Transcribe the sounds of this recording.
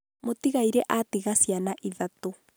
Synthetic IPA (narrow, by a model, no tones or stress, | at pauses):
motiɣaiɾɛʔatiɣasjanaʔiðato